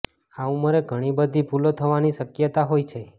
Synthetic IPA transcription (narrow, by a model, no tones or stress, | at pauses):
aũməɾeɡʱəɽ̃ibəd̪ʱipulot̪ʰəʋaniʃəkjət̪aɦojt͡ʃʰe